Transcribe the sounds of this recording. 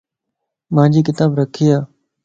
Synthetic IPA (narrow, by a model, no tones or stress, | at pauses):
mãːd͡ʑiːk̬ɪt̪aːbɾəkʰiːaː